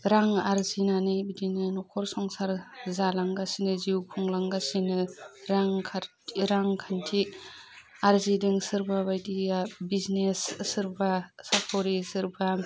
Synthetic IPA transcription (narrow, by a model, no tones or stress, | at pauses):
ɾaŋaɾzinanɯbidinɯnɔkʰɔɾsɔŋsaɾzalaŋɡasinɯziwkʰuŋlaŋɡasinɯɾaŋkʰaɾ | ɾaŋkʰantʰi | aɾzidɯŋsɯɾbabajdiabiznesːɯɾbasapʰɔɾisɯɾba